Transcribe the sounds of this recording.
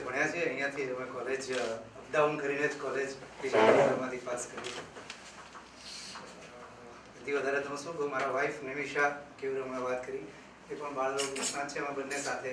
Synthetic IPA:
bʱəɳ̃jat͡ʃʰeə̃ɦĩjãt̪ʰiəmẽkɔled͡ʒəpɖaunkəɾined͡ʒkɔled͡ʒpid͡ʒaiɾamãt̪ʰipaskəɾi | ət̪ʰiʋəd̪ʱaɾed̪ʰʱəmsõbmaɾaʋaifmemiʃakeʋiɾəm̃ãʋat̪kəɾi | ekãbaɭloɡusãt͡ʃʰeamãbənːesat̪ʰe

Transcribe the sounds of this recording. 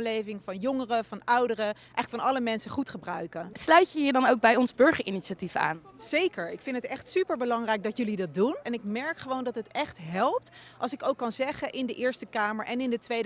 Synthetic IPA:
əlejvɪŋvɑnjoŋərəvɑnɑwdərəʔɛjxχləkfɑnɑləmɛnsəχutχəbrœɥkəslœɥcəiədɑnowɡ̚bɛjɔnzbɵɹχəɹʔiniʃatifa̰ːn | z̥ejkəɹɪkfɪntətɛχtsypəɹbəlɑŋrɛjk̚dɑtjɵlidɑt̚dunɛnɪk̚mɛɹkχəʋowndɑtɦətɛχtɦɛlˠp̚tʔɑlˠsɪkowkːɑnzɛχəʔɪndəʔɪːɹstəkaːməɹʔɛnɪndətʋejdə

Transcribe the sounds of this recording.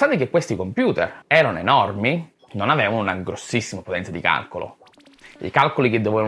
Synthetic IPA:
saːt̪ekekːwest̪ikompjuːt̪ḛrɛːɾanoenɔrmi | nonaveːvanounaɡɾosːisːimapot̪ɛnt̪sad̪ika̰lko̰lo̰ | ḭkalkoliked̪ːoveva

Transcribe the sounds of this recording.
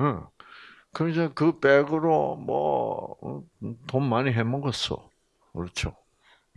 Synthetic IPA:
ɯ | kɯɾʌsʰʌkɯp͈eɡɯɾomʌ̰ | tonmaɲiɦemʌɡʌs͈o̰ | kɯɾʌt͡ɕʰo

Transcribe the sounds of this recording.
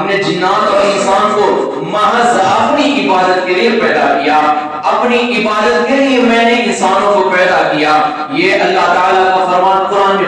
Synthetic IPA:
mned͡ʒɪnːaːt̪ɔːɾɪnsaːnko | maɦzɐpniʔɪbaːd̪ət̪keliepɛːd̪akijaː | ɐpniʔɪbaːd̪ət̪keliemɛ̃ːneɪnsaːnõkopɛːd̪akijaː | jeːʔɐlːaɦt̪aaːlakafɐɾmaːnkʊɾaːn

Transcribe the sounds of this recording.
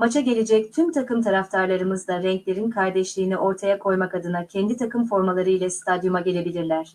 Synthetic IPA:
mat͡ʃʰaɟe̞lʲed͡ʒɛc̚t̪ʰymt̪ʰakɯmt̪ʰaɾaft̪aɾlˠaɾɯmɯzd̪aɾɛɲclʲe̞ɾinkʰaɾd̪ɛʃʃlʲiːniʔo̞ɾt̪ʰajakʰo̞jmakad̪ɯnacʰɛnd̪it̪ʰakɯmfo̞ɾmalˠaɾɯjlʲɛst̪ʰad̪jumaɟe̞lʲe̞bilʲiɾlʲæɾ̥

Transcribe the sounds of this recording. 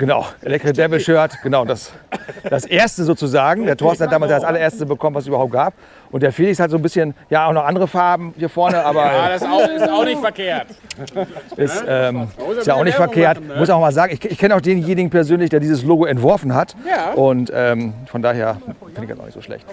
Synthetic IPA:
ɡ̥əna̰ʊʔelɛk̚tʁodɛbl̩ʃœɐtɡ̥ənaʊdasd̥asʔeːɐstəzoːt͡suzaːɡŋ̩deːɐtʰɔɐstn̩hat̚d̥aːmalsjaːasʔalɐʔeːɐstəbəkʰɔmənvasʔybɐhʊp̚tɡ̥aːp | ʔʊntd̥eːɐfeːlɪshatz̥oːnbɪsçənjaːaʊxnɔχxʔandəʁəfaɐbm̩hiːɐfɔɐnəʔaːbɐɛɪsaʊxnɪçtfɛɐkeːɐt | ʔɪstʔɛːmɪtjaːaʊxnɪçtfɛɐkʰeːɐtmʊsaʊxmaːlzaːɡŋ̩ɪçɪçkʰɛnəaʊxd̥eːnjeːnɪɡŋ̩pɛɐzøːnlɪçd̥eːɐdiːzəsloːɡoɛntv̥ɔɐfn̩hatʔʊntʔɛːmfɔndaːheːɐfɪndɪçjɛ̰sʔa̰ʊnɪtz̥oːʃlɛ̰çt

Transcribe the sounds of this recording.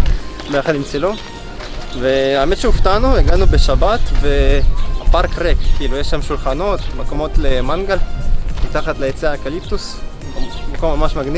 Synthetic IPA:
beaχadimt͡silum | veaemet̪ʃeuft̪anueɡanube̞ʃabat̪veapaʁkʁekkːiilujeʃʃamʃulχano̞t̪makomo̞t̪lemanɡalmit̪aχat̪leet͡seaːkalip̚t̪us | mako̞mːamaʃmaɡniv

